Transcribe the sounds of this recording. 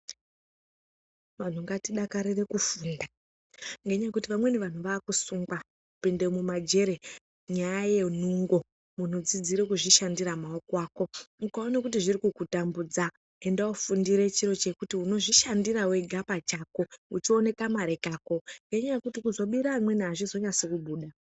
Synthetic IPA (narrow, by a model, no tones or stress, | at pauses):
ʋan̤uŋɡatiɗakaɾire̞kufuːnda | ŋɡe̞ɲaekutiʋamwe̞neʋan̤uʋaːkusuŋɡwa | upendemumad͡ʒe̞ɾe | ɲajaje̞nuŋɡo̞ | mun̤ud͡zid͡ziɾe̞kuʐiʃandiramaokwaːko̞ukaonakutiʐirikukutambud͡za | endaufundiɾe̞t͡ʃiɾo̞t͡ʃe̞kutiuno̞ʐiʃandirawe̞ɡʱapat͡ʃako̞ut͡ʃione̞kamaɾe̞kaːko̞ŋɡe̞ɲajekutikuzo̞ɓiɾaːmwe̞niaʐizo̞ɲasekubʱuːɗa